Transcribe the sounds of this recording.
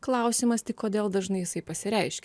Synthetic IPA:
klˠɐˑʊsʲimɐst̪ʲɪkoːd̪ʲeːlˠd̪ɐʒnɐɪjɪsɐɪpɐsʲɪɾʲɛɪʃʲkʲ

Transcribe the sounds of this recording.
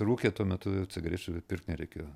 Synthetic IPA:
ɾuːkʲet̪uɔmʲɛt̪ʊʊt͡sʲɪɡɾʲeːt͡ʃʲʊpʲɪrkt̪nʲɛɾʲɛɪkʲeːjoː

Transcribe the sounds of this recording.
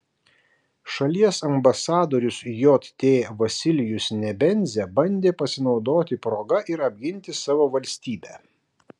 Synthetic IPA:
ʃɐlʲiɛsɐmbɐsɑːd̪oːɾʲʊsjot̪t̪ʲeːʋɐsʲɪlʲɪjʊsnʲɛbʲɛnʲzʲɛbɐnʲd̪ʲeːpɐsʲɪnɒʊd̪oːt̪ʲɪpɾoːɡɐʔɪɾɐbʲɡʲɪnʲˑt̪ʲɪsɑːʋoːʋɐlʲsʲt̪ʲiːbʲæː

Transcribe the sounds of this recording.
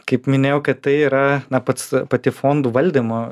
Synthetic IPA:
kɐɪpmʲɪnʲeːjɛʊkɐt̪t̪ɐɪiːɾɐnɐpɐt̪spɐt̪ʲɪfoːnd̪uːʋɐlʲd̪ʲɪmo

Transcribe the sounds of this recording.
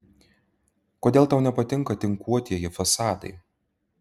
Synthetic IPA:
koːd̪ʲeːlˠt̪ɐʊnʲɛpɐt̪ʲɪŋkɐt̪ʲɪŋkuɔt̪ʲiɛjɪfɐsɑːd̪ɐ̰ɪ

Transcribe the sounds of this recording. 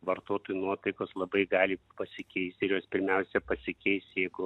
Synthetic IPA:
ʋɐrt̪oːt̪oːjunuɔt̪ɐɪkoːslˠɐbɐɪɡɑːlʲɪpɐsʲɪkʲɛɪst̪ʲɪɾjoːspʲɪɾʲmʲɛʊsʲɛpɐsʲɪkʲɛɪst̪jɛɪɡʊ

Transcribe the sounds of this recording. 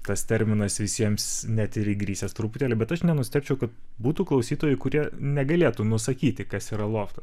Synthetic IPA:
t̪ɐst̪ʲɛɾʲmʲɪnɐsʋʲɪsʲiɛmsnʲɛt̪ɪɾɪɡɾʲiːsʲɛst̪ɾʊpʊt̪ʲeːlʲɪbʲɛt̪ɐʃnʲɛnʊsʲt̪ʲɛːpʲt͡ʃʲɛʊkɐt̪̚ | buːt̪uːklˠɐʊsʲiːt̪oːjɛɪkʊɾʲiɛnʲɛɡɐlʲeːt̪unʊsɐkʲiːt̪ʲɪkɐsiːɾɐlˠoːft̪ɐs

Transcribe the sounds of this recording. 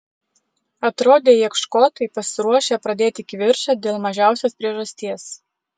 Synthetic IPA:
ɐt̪ɾoːd̪ʲeːjiɛkʃkoːt̪ɐɪpɐsʲɪɾuɔʃʲepɾɐd̪ʲeːt̪ʲɪkʲʋʲɪɾʃɐd̪ʲeːlˠmɐʒʲæˑʊsʲoːspʲɾʲiɛʒɐsʲt̪ʲiɛs

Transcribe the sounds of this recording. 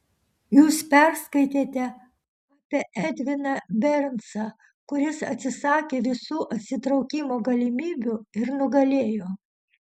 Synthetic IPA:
juːspʲɛɾskɐɪt̪ʲeːt̪ʲɛ | ɑːpʲeʔɛd̪ʲʋʲɪnɐbʲɛɾʲnsɐ | kʊɾʲɪsɐ̰t̪ʲsʲɪsɑːkʲeːʋʲɪsuːʔɐt̪ʲsʲɪt̪ɾɒʊkʲimoːɡɐlʲɪmʲiːbʲuɪɾnʊɡɐlʲeːjoː

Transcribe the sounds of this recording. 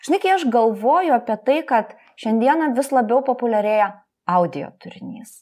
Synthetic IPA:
ʒ̥ʲɪnɐɪkʲɐɪɐʃɡɐlˠʋoːjʊɐpʲiɛt̪ɐɪkɐt̪ | ʃʲɛnʲd̪ʲiɛnɐʋʲɪslˠɐbʲɛʊpoːpʊlʲɛɾʲeːjɛ | ɐʊd̪ʲɪjo̰ːt̪ʊɾʲɪnʲiːs

